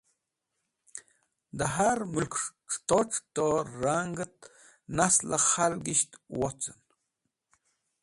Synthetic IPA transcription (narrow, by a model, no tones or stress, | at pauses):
d̪aɦaɾmulkʈ͡ʂt̪oʈ͡ʂt̪oɾaŋɡət̪̚ | naslaχalɡiʃt̪wot͡sən